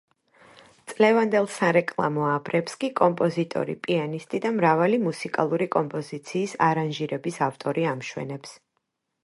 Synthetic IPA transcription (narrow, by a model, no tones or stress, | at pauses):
t̪sʼlɛvand̪ɛlˠsaɾɛkʼlˠa̰mɔabɾɛpskʼikʼɔmpʼɔzit̪ʼɔ̰ɾḭpʼianist̪ʼid̪amɾavalimusikʼa̰lˠuɾikʼɔmpʼɔzit̪sʰiːsaɾanʒiɾɛbisavt̪ʼɔɾiamʃwɛ̰nɛps